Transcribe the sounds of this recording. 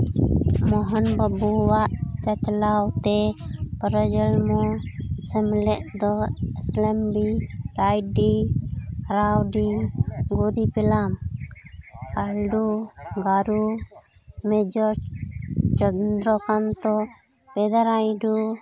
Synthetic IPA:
mɔɦɔnbabuwaʔt͡ʃat͡ʃlawt̪ɛpəɾɔd͡ʒəlmɔsɛmlɛʔd̪ɔɛslɛmbiɾajɖi | ɾawɖiɡuɾipɛlam | alɖuɡaɾu | mɛd͡ʒɔ | t͡ʃɔnd̪ɾɔkant̪ɔ | pɛd̪aɾajɖu

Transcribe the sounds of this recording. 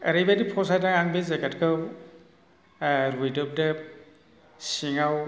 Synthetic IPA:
ɐ̰ɾajbadipʰɔsajdaŋaŋbezaɡatkʰɯw | ɾujdɔp̚dɯ | siŋaw

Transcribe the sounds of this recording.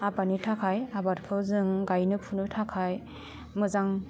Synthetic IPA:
abanitʰakʰajabaɾpʰɯzɯŋɡajnɯpʰunɯtʰakʰaj | mɯzaŋ

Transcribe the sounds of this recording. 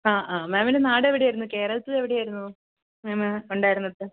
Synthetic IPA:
aːʔaːmeːmilenaːɽeʋiɽejajɾunːuke̞ːɾɐlt̪ːieʋiɽejaːjɾunːu | meːmuɳɖaːjiɾunːɐðɨ

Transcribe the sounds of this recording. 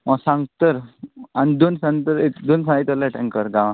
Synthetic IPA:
maɡsãŋɡt̪əɾanid̪onsãŋɡt̪əɾet̪d̪onsãŋit̪əlaʈʰãŋkəɾɡãʋã

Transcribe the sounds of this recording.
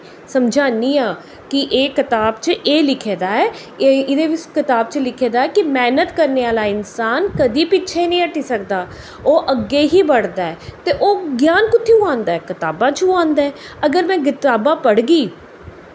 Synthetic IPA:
səmd͡ʒʱaːniːaː | kɪʔeːkɪt̪aːbt͡ʃəʔeːlɪkʰeːd̪aːɛː | ɪd̪eːʋɪt͡ʃkɪt̪aːbt͡ʃəlɪkʰeːd̪aːɛːkɪmɛːnət̪kəɾneːaːlaːɪnsaːnkəd̪iːpɪtːʃʰeːinəĩːəʈiːsək̚d̪aː | oːʔəɡːeːɦiːbəɽd̪aːɛːt̪eːʔoːɡjaːnkʊt̪ʰːiːũãːnd̪aːɛːkɪt̪aːbãːt͡ʃuãːnd̪aːɛː | əɡəɾmɛ̃ːɡɪt̪aːbãːpəɽɡiː

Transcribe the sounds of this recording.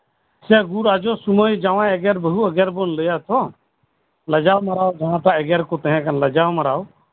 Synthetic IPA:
sɛɡuɾad͡ʒɔsuməjd͡ʒaʋãɛɡɛɾbəɦuəɡɛɾbonləjat̪ʰɔ | ləd͡ʒaːwmɐɾaːwd͡ʒɐɦãːt̪aɛɡɛɾkot̪ɛ̃ɦɛ̃kanləd͡ʒaːwməɾaːw

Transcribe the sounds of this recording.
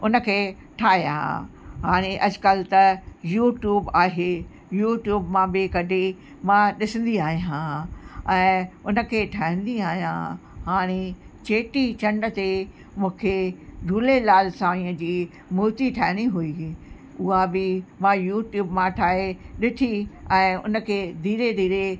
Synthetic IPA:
ʊnə̆kʰeː | ʈʰaːɦjã̰ɦaːɽ̃eʔɐd͡ʑkəlt̪ɐjuːʈjuːbaːɦeː | juːʈjuːbmãbɪkɐɖʱe | mãɗɪsə̃n̆d̪iaːɦijãɛ̃ːʊnə̆kʰeːʈʰaːɦɪ̃n̆d̪iaːɦijã̰ɦaːɽ̃et͡ɕeːʈit͡ɕɐ̃ɳɖət̪e | mũːkʰeɖʱuːlelaːlsãːĩːə̃d͡ʑiː | muːt̪iʈʰaːɦɪɽ̃iɦui | ʊɦabɪmãjuːʈjuːbmãʈʰaːɦeɗɪʈʰiɛ̃ːʊ̰nə̆kʰeːd̪ʱiːɾed̪ʱiːɾe

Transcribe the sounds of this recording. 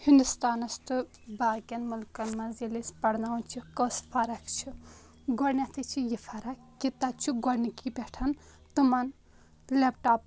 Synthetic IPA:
hind̪ust̪aːnɐst̪ʰɨ | baːkʲɐnmulkɐnmɐzilispɐɽnaunt͡ʃʰikosfɐɾɐkt͡ʃʰi | ɡɔɾnʲɐt̪ʰɨt͡ʃʰijifʰɐɾɐːit̪ɐt͡ʃʰuɡɔɽnikibʲeʈʰɐn | t̪umɐn | lepʈaːp

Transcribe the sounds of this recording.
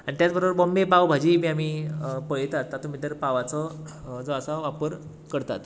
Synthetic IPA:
anit̪jat͡sbəɾobəɾbombepawbʱad͡ʑiːmiːam̤iːpəɭjt̪at̪ːat̪omit̪əɾpaʋat͡sɔ | d͡zɔasaʋapəɾ | kəɽt̪a̰t̪

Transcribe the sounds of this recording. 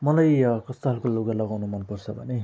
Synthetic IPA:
mʌlajkʌst̪oɦʌlkoloɡalʌɡawnumʌnpʌrt͡sʰʌbʱʌ̰ne

